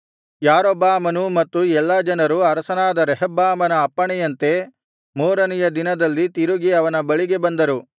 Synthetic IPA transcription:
jaːɾɔbːaːmɐnumɐt̪ːuɛlːɐd͡ʒɐnɐɾuɐɾɐsɐnaːd̪ɐɾɛɦɐbːaːmɐnɐːpːɐɳɛjɐnt̪e̞ | moːɾɐnɛjɐd̪inɐd̪ɐlːit̪iɾuɡiɐʋɐnɐbɐɭiɡe̞bɐnd̪ɐɾu

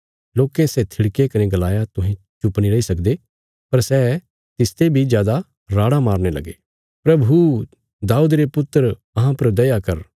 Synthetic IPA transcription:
loːkesɛt̪ʰɪɽkekɐneɡɐlaːjat̪ʊɦẽ | t͡ʃʊpniɾɐisɐkd̪e | pɐɾsɛː | t̪ɪst̪ebʱid͡ʒjaːd̪a | ɾaːɽamaːɾnelɐ̰ɡeː | pɾɐbʱu | d̪aːuːd̪ɾepʊt̪ːəɾ | ɐɦãpɐɾd̪ɐjakɐɾ

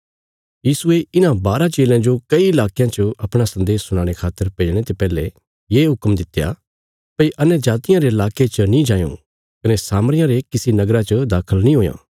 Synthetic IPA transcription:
jiːsʊeɪnãbaːɾat͡ʃeːlãd͡ʒokɐiɪlaːkɪjãt͡ʃoɐpɽ̃asɐ̃nd̪eːsːʊɽ̃ãːɽ̃ekʰaːt̪ːəɾpeːd͡ʒɽ̃et̪epɛːle | jeːɦʊkmd̪ɪt̪ja̰ | pɐiʔɐnjəd͡ʒaːt̪ɪjãɾeɪlaːket͡ʃənĩd͡ʒãːjõ̰ | kɐnesaːməɾɪjãɾekɪsinɐɡɾat͡ʃɐd̪aːkʰəlnĩɦoːjã̰ː

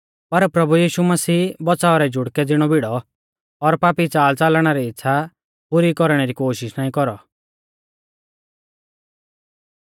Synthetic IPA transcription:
pɐɾpɾɐbujiːʃumɐsiːbɔsaːɔɾɛd͡ʒʱʊɽkɛd͡zɪɽ̃ɔbɪɽɔ | ɔɾpaːpit͡saːlt͡saːlɽ̃aɾɛɪtːʃʰa | pʊɾikɔɾɽ̃ɛɾikoːʃɪʃnaːĩkɔɾɔ

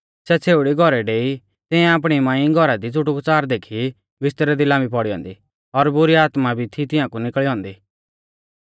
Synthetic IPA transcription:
sɛt͡sʰeːʊɽiɡʱɔɾɛɖeːi | t̪ɪ̃ɛ̃ap̬ɽ̃imãːĩɡʱɔɾad̪it͡sʊʈukt͡saːɾd̪eːkʰi | ʋɪst̪əɾɛd̪ɪlãmbʱip̬ɔɽiɔ̰̃ːnd̪i | ɔɾbʊɾiaːt̪mabʱit̪ʰit̪ɪjãːkunɪkɭiɦɔ̃ːnd̪iː

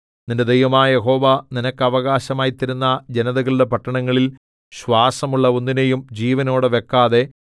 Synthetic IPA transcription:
ninded̪ejʋɐmaːjeɦo̞ːʋaninɐkːɐʋɐɣaːɕɐmaːjit̪ːɐɾunːɐd͡ʑe̞nɐðɐɣɐɭiɽe̞pɐʈːɐɳɐŋːɐɭil | ɕʋaːsɐmuɭːɐonːinejumd͡ʑiːʋɐno̞ːɽɨʋe̞kːaːðe̞

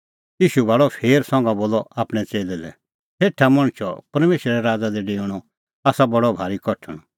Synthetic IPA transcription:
jiːʃubaːɭɔpʰeːɾsɔ̃ŋɡãboːlɔaːpɽ̃ɛt͡seːlɛlɛ̰ | seːʈʰamɔ̃ɽ̃t͡ʃʰɔpɐɾmeːʃɾɾɛɾaːd͡zad̪ɛɖeːʊɽ̃ɔ | aːsabɐɽɔbʱaːɾikɔʈʰəɽ̃ɔ

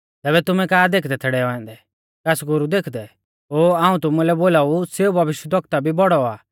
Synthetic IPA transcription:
t̪ɛːβɛt̪ʊmɛ̃kaːd̪eːkʰd̪ɛt̪ʰɛɽɛɔɛ̃n̆d̪ɛ | kɛsɡʊɾud̪eːkʰd̪ɛ | oːaːũt̪ʊmũlɛboːlaːuseubʱɐʋɪʃwəd̪ʋɐk̚t̪abʱibɔɽɔaː

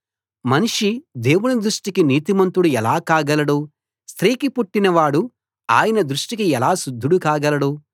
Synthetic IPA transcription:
mɐniʂid̪e̞ːwunid̪ɾuʂʈikiniːt̪imɐnt̪ɾuɽuɛlaːkaːɡɐlɐɽoː | st̪ɾiːkipuʈːinɐʋaːɽu | a̰ːjɐnɐd̪ɾuʂʈikiɛlaːsud̪ʱːuɽukaːɡɐlɐɽoː

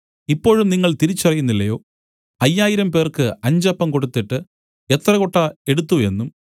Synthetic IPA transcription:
ipːo̞ːɻumniŋːɐɭt̪iɾit͡ɕːɐrɐjunːilːɐjo̞ː | ɐjːaːjiɾɐmpe̞ːrkɨɐɲd͡ʑɐpːɐmko̞ɽut̪ːiʈːɨ | et̪rɐkoʈːɐe̞ɽut̪ːue̞nːum

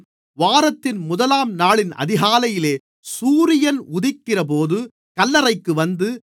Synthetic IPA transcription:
ʋaːɾɐt̪ːɪnmʊðɐlaːmnaːɭɪnɐ̰ðɪɣaːlɐjɪleː | suːɾɪjɐnʊðɪkːɪrɐp̬oːðɯ | kɐlːɐɾɐɪkːɯʋɐnd̪ɯ

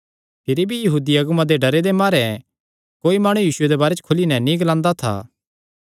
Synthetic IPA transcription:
pʰɪɾibʱijɐɦuːd̪iɐɡʊmãd̪eɖɐɾed̪emaːɾɛ | koːimaːɽ̃ujiːsʊed̪ebaːɾet͡ʃə̥kʰʊlinɛnĩɡɐlãːnd̪at̪ʰa̰ː

